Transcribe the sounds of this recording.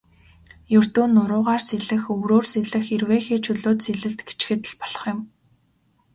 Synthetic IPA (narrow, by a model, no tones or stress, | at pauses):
jɵr̥t̪uːnːʊɾʊːʁaːrseɮɘ̆xɵɣɾoːrseɮɘ̆xirweːxeːt͡ɕʰɵɮoːt̪seɮɘ̆ɮt̪ɡe̥t͡ɕxɘ̆t̪̆ɮpɔɮ̥ɞ̆χjɪ̆m